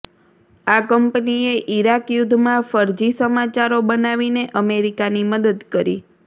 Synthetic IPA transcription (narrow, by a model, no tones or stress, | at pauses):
akəmpnieʔiɾakjʊd̪ʱːmãfəɾd͡ʒisəmat͡ʃaɾobənaʋineʔəmeɾikaniməd̪əd̪kəɾḭ